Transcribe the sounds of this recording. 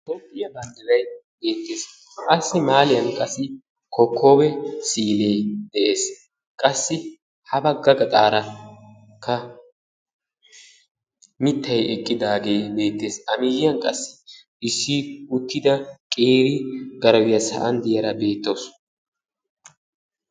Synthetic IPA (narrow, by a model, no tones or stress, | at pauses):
t̪opʼːɪjɐbɐnd̪ɐlɐjbe̞ːt̪ːe̞ːs | kɐsːɪmaːlɪjɐnkʼɐsːɪ | kʰɔkʰːo̞ːbɛsiːle̞ːd̪ɛʔe̞ːs | kʼɐsːɪ | hɐbɐɡɐɡɐt̪ʼaːɾɐ | kʰːɐ | mɪt̪ːɐjɛkʼːɪd̪aːɡe̞ːbe̞ːt̪ːe̞ːsɐmɪjɪjɐnkʼɐsːɪ̥ | ɪsːɪʊt̪ːɪd̪ɐkʼeːɾɪɡɐɾɐwɪjɐsɐ̰ʔɐnd̪ɪjɐɾɐbe̞ːt̪ːos